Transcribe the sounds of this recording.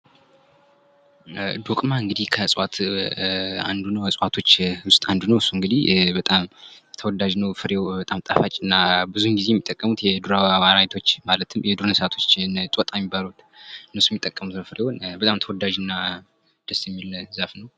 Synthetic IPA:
d̪okʼmaɨŋɡɨd̪ihkʰəsʼwat̪ʰ | a̰nd̪unəwəsʼwat̪ʰo̞t͡ʃːwʊst̪ʼand̪unəwsuŋɡɨd̪ihbət̪ʼamt̪ʰəwɔd̪aʒnəwfɨɾewbət̪ʼamt̪ʼafat͡ʃʼɨnːabɨzuŋɡizeɛmːit̪ʼːəkʼːəmut̪jɛd̪uɾawwaɾajt̪ʰo̞t͡ʃːmalət̪ʰɨmjɛd̪uɾnəsat̪ʰo̞t͡ʃːnt̪ʼwɔt̪ʼajɛmːibːalut̪ | nɨsujɛmːit̪ʼːəkʼːəmut̪nəwfɨɾewonbət̪ʼamt̪ʰəwɔd̪aʒɨnːa | d̪̥əsjɛmːilzafnəw

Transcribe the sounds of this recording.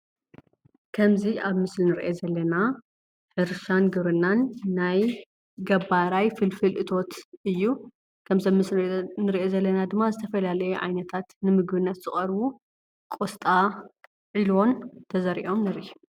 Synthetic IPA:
kʰɐmziʔaβmɨslinɨɾʔezɐlːɐna | ħɨɾʃanɡɨβɾɨnːanːaj | ɡɐβaɾajfɨlfɨlʔɨt̪ʰo̞t̪ʔɨjːu | kʰɐmzɐmɨsnɨɾʔe̞zɐlːɐnad̪ɨmːazɨt̪ʰɐfɐlalɐjeʕa̰jnɐt̪ʰat̪nɨmɨɡbɨnːɐt̪z̥ɨχʼɐɾbu | kʼost̪ʼa | ʕilo̞nt̪ʰɐzɐɾḭʔo̞mnɐɾʔiu

